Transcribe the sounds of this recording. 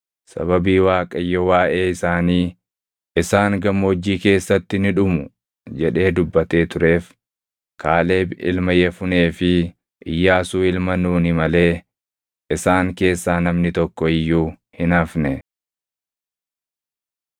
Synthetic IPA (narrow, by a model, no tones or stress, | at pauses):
sɐ̰βɐbiːwaːkʼɐjːɔwaːʔe̞ːɪsaːniː | ʔɪsaːŋɡɐmːoːd͡ʒːiːke̞ːsːɐt̪ːɪnɪᶑʊmʊ | d͡ʒɛᶑe̞ːd̪ʊbːɐt̪e̞ːt̪ʊɾe̞ːf | kʰaːle̞ːbɪ̰lmɐjɛfʊne̞ːfɪ | ʔɪjːaːsuːɪlmɐnuːnɪmɐle̞ː | ʔɪsaːŋke̞ːsːaːnɐmnɪt̪ɔkːɔɪjːuːhɪnɐfnɛ